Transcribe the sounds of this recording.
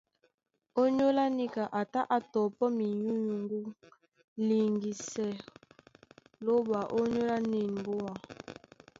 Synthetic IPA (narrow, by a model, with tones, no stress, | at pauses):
o˦ɲo˦la˦ni˦ka˨ʔa˨ta˦ʔa˨tɔ˨pɔ˦mi˨ɲu˦ɲu˨ŋɡu˦ | li˨ŋɡi˨sɛ˨ | lo˦ba˨ʔo˦ɲo˦la˦ni˨nm˨bo˦a˨